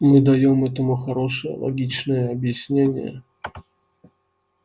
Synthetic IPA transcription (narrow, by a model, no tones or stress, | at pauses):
mɨd̪ɐjomɛt̪əmʊxɐɾo̞ʂɨjə̰lˠɐ̰ɡʲit͡ɕnɨjəɐbjɪsʲnʲenʲɪ̰jə̰